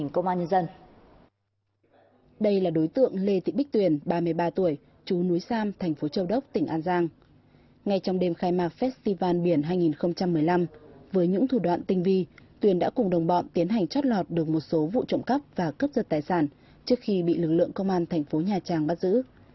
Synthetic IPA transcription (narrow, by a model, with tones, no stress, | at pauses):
ŋkə˧wŋ͡mʔaː˧nɲə˧nzə˧n | ɗə˧jlaː˨˩ɗo˨˦jt̪ɨ̰˧˨əŋle˧t̪ḭ˧˨ɓi˦˥k̟̚t̪wi˨˩ənɓaː˧mɨ˨˩əjɓaː˧t̪u˧˩əj | t͡ɕu˨˦nu˨˦jsaː˧mt̪ʰɛ˨˩ŋ̟fo˨˦t͡ɕə˧wɗə˦˥wk͡p̚t̪ï˧˩ŋ̟ʔaː˧nzaː˧ŋ | ŋa˧jt͡ɕɔ˧wŋ͡mɗe˧mxaː˧jmaː˨˧˩k̚fɛ˦˥t̚st̪i˧vaː˧nɓi˧˩ənɦaː˧jŋi˨˩nxə˧wŋ͡mt͡ɕa˧mːɨ˨˩əjla˧mvəː˨˦jɲɨ̰˧˥ŋt̪ʰu˧˩ɗwa̰ː˧˨nt̪ï˧ŋ̟vi˧t̪wi˨˩ənɗa̰ː˧˥kʊ˨˩ŋ͡mɗə˨˩wŋ͡mɓɔ̰˧˨nt̪i˨˦ənɦa˨˩jŋ̟t͡ɕɔ˦˥t̚lɔ˨˩t̚ɗɨ˨˩ək̚mo˨˩t̚so˨˦vṵ˧˨t͡ɕə̰˧˨ŋ͡mkə˦˥p̚vaː˨˩kə˦˥p̚zə˨˩t̚t̪aː˨˩jsaː˧˩n | t͡ɕɨ˦˥ək̚xi˧ɓḭ˧˨lɨ˨˩k̚lɨ̰˧˨əŋkə˧wŋ͡mʔaː˧nt̪ʰɛ˨˩ŋ̟fo˨˦ɲaː˨˩t͡ɕaː˨˩ŋɓaː˦˥t̚zɨ̰˧˥